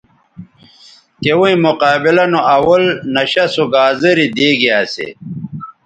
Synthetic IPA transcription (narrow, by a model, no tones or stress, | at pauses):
kewuĩmuqaːbilɐnoɐwɐlnɐɕɐsuɡaːzəɾid̪eːɡiaːsḛ